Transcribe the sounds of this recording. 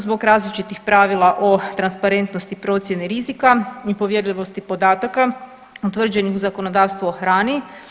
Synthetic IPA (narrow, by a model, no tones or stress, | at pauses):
zbo̞ɡɾaːzlit͡ʃit̪ixpɾaʋilˠaʔo̞t̪ɾanspaɾe̞nt̪no̞st̪ipɾo̞t̪sje̞niɾizikaipo̞ʋjeɾʎʲiʋo̞st̪ipo̞d̪aːt̪aka | ut̪ʋr̩d͡ʑe̞nixuzako̞no̞d̪aːʋst̪ʋuoxɾaːni